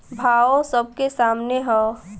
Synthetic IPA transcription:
bʱaːosəb̚kesaːmneɦɛː

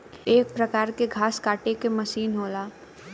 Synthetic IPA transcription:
eːk̚pɾɐkaːɾkeɡʱaːskaːʈekemɐʃiːnɦoːlaː

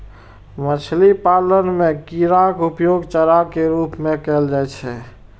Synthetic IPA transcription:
mət͡ʃʰlipalənmekiɾakupjoɡt͡ʃəɾakeɾupmekɛld͡ʒajt͡ʃʰɛ̰

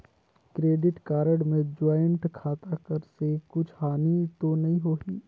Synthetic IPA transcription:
kɾeːɖɪʈkaːɾəɽmẽd͡ʒaːɪɳʈkʰaːt̪akɐɾsekʊt͡ʃʰhaːnit̪onɐɦĩɦoːɦiː

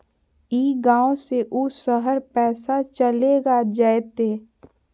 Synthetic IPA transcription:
iːɡãːõseʔusəɦəɾpɛːsat͡ʃəleɡad͡ʒaet̪eː

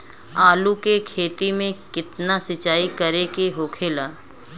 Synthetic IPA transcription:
aːlukekʰeːt̪imẽkɪt̪nasɪt͡ʃaːikɐɾekeɦoːkʰeːlaː

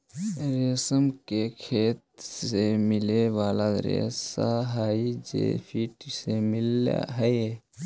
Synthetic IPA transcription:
ɾesəmkekʰeːt̪semɪleʋaːlaɾḛsaɦaːid͡ʒḛpʰiʈsemɪl̰ɦəe

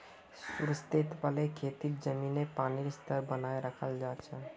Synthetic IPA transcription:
ssuɾst̪et̪pəlekʰet̪iɾd͡ʒəminepaniɾst̪əɾbənaeɾəkʰəld͡ʒaːt͡ʃʰə

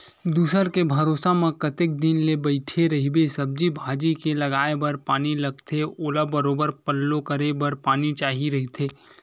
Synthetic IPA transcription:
d̪uːsəɾkebʱɐɾoːsamẽkɐt̪ɪk̚d̪ɪnlebɐɪʈʰeɾɐɦibesɐb̚d͡ʒibʱaːd͡ʒikelɐɡaːebɐɾpaːnilɐɡt̪ʰeoːlabɐɾoːbəɾpəlːokɐɾebɐɾpaːnit͡ʃaːɦiɾɐɦit̪ʰeː

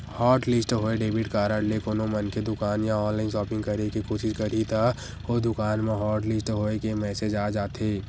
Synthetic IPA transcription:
hɔːɾʈlɪsʈɦoːeɖeːbɪʈkaːɾaːɖlekoːnõmɐnked̪ʊkaːnjaɔːnlaːɪnsɔːpɪ̃ŋɡkɐɾekikoːʃɪʃkɐɾit̪ʰa | oːd̪ʊkaːnmẽɦɔːɾʈlɪsʈɦoːekemɛːsed͡ʒaːd͡ʒaːt̪ʰeː

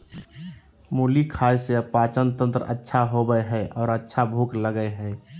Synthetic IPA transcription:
muːlikʰaːjseəpaːt͡ʃənt̪ə̃nt̪ɾə̰tːʃʰaɦobəeɦɛʔɔːɾətːʃʰabʱukləɡəeɦɛː

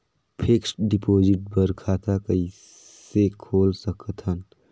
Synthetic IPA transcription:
pʰeksʈɖipoːd͡ʒɪʈ̚bəɾkʰaːt̪akəi | sekʰoːlsəkət̪ʰən

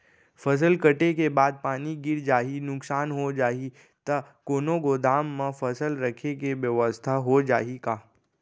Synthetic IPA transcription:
fʰɐs̬əlkɐʈekebaːd̪̚paːniɡɪɾd͡ʒaːɦinʊksaːnɦod͡ʒaːɦi | t̪ɐkoːnoɡoːd̪aːmːãfɐsəlɾɐkʰekeʋjəʋəst̪ʰaɦod͡ʒa̰ːɦikaː

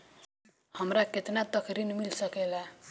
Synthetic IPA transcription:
hʌmɾaket̪nat̪ʌkʰɾinmilsʌkela

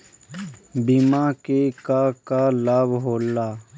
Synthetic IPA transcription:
bimãːkekakaːlaːbɦoːlːaː

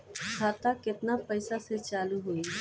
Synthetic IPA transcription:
t͡ʃʰaːt̪akɪt̪napəɪsaset͡ʃaːluɦui

